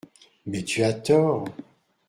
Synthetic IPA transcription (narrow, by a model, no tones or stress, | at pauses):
mɛt̪yat̪ɔːʁ